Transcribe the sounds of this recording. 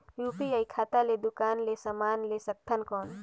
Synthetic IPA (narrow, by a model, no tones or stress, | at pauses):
juːpiaikʰaːt̪aled̪ʊkaːnlesəmaːnlesək̚t̪ʰənkɔːn